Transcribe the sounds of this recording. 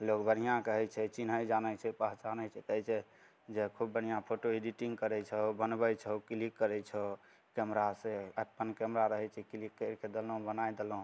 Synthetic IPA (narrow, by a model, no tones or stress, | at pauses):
lokbʱəɽijãkəɦɛt͡ʃʰɛt͡ʃinɦəjd͡ʒanɛt͡ʃʰɛpəɦt͡ʃanɛt͡ʃʰɛkəɦjt͡ʃʰɛ | d͡ʒekʰubːən̤ijãpʰoʈoeɖiʈĩŋɡkəɾɛt͡ʃʰɛobənbəjt͡ʃʰɛokilikːəɾɛt͡ʃʰɛ | kɛmɾaseəpːənkɛmɾaɾəɦɛt͡ʃʰɛkilikːəɾkʰed̪elɦũbənajd̪elɦũ